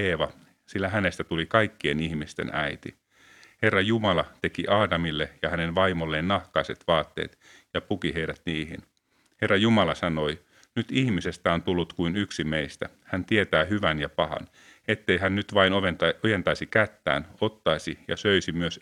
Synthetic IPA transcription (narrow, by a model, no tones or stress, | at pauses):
eːʋɑ | silːæɦæne̞st̪æt̪ulikɑikːie̞nihmist̪ḛnæjt̪ḭ | he̞rːɑjumɑlɑt̪e̞kiʔɑːdɑmilːejɑhænenʋɑimolːeːnːɑhkɑiset̪ʋɑːt̪ːḛːt̪ | jɑpukiɦeiɾæt̪niːhḭn | he̞rːɑjumɑlɑsɑno̞i | nyt̪ihmise̞st̪æont̪ulːut̪kuinyksimeist̪æhænt̪iet̪æːɦyʋænjɑpɑhɑ̰n | e̞t̪ːe̞jɦænnyt̪ʋɑinoʋojent̪ɑisikæt̪ːæ̰ːno̞t̪ːɑisijɑ̰søisimyøs